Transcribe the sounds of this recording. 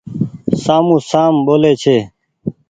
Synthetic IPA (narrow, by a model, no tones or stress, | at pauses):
saːmũːsaːmɓoːleːt͡ʃʰeː